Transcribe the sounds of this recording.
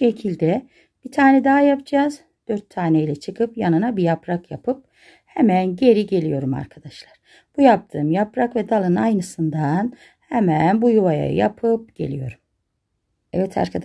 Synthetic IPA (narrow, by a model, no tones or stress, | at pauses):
ʃe̞cʰilʲd̪ɛ | b̥it̪ʰaːnɛd̪aːjapd͡ʒaːz | d̪̥øɾt̪ʰːaːnejilʲɛt͡ʃʰɯkʰɯpjanɯnabijapɾakjapʰɯp̚ | hɛmænɟe̞ɾiɟe̞lʲijo̞ɾuma̰ɾkʰad̪aʃlˠaɾ̥ | b̥ujap̚t̪ʰɯːmjapɾakvɛd̪alˠɯnajnɯsɯnd̪an | hɛmænbujuvaja̰ja̰pʰɯp̚ɟ̥e̞̰lʲijo̞̰ɾum | ɛvɛt̪ʰa̰ɾkʰad̪